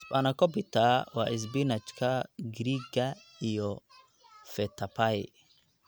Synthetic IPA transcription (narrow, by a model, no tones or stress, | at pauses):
spanakɔpitawa̰ʔis̬binat͡ʃkʰaɡɾiɡa | ijɔ | fɛt̪ʰapai